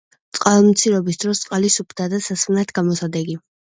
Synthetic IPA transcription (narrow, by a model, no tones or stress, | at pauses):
t̪sʼqʼalˠmt̪sʰiɾɔbisd̪ɾɔst̪sʼqʼalisupʰd̪ad̪asasmnat̪ʰɡamɔsad̪ɛɡi